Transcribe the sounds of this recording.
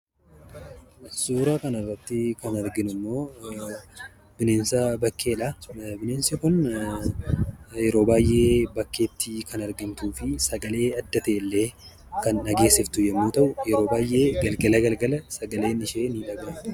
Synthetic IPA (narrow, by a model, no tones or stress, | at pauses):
suːɾaːkɐnɐrːɐt̪ːɪkɐnɐɾɡɪnʊmːo̞ː | b̥ɪneːnsɐbɐkːe̞ːᶑɐbɪneːnsɐkʊn | jɛɾo̞ːbaːjʔe̞ːbɐkːe̞ːt̪ːɪkɐnɐɾɡɪnt̪uːfɪsɐɡɐle̞ːɐd̪ːɐt̪eːɪlːe̞ː | kɐnːɐɡe̞ːsːɪft̪ʊjɛmːoːt̪ɐʔʊjɛɾo̞ːbaːjʔe̞ːɡɐlɡɐlɐɡɐlɡɐlɐsɐɡɐle̞ːnɪʃe̞ːnɪᶑɐɡaːʊ